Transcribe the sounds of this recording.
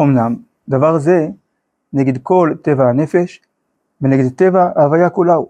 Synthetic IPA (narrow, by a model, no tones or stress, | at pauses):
omnam | d̪avaʁze̞ | neɡed̪ko̞lt̪evahane̞feʃ | veneɡed̪t̪evaaːvajakulaw